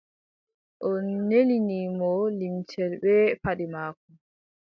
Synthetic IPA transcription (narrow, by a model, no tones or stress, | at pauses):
ʔɔnːeliniːmɔlimtʰɛlbɛpaɗimaːkum